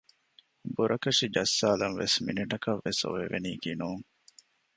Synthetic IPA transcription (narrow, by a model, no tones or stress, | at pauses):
buɾʔɐkɐʂid͡ʒɐsːaːlɐnʋḛsmḭniʈɐkɐʋːeso̰ʋḛʋeniːɡinuːŋ